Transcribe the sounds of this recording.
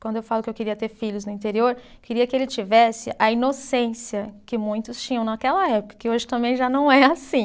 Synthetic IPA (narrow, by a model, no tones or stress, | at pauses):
kwɐ̃nd̪ʊewfalʊkɪewkeɾiɐt̪eɾfiʎʊznʊĩt̪eɾioɾ | keɾiɐkɪelɪt͡ʃivɛsɪ̰ʔɐinosẽsiɐkɪmũj̃t̪ʊst͡ʃĩɲɐ̃w̃nɐkɛlɐɛpʊkɐ̥kɪoʒɪt̪ɐ̃mbẽj̃ʒanɐ̃w̃ɛasĩ